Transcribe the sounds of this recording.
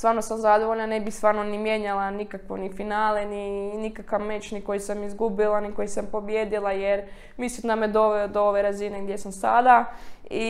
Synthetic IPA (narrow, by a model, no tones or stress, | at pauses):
st̪ʋaːɾno̞samzad̪oʋo̞ʎnane̞bixst̪ʋaːɾno̞nimjeːɲalˠanikakʋonifinaːleninikakaʋme̞t͡ʃniko̞jisamizɡubilˠaniko̞jisampo̞bjeːd̪ilˠajeɾ | misit̪named̪o̞ʋeod̪ooʋe̞ɾazineɡd̪jesamsa̰d̪ai